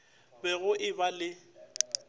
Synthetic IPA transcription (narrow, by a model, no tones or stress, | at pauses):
bɛɣʊʔɪbalɪ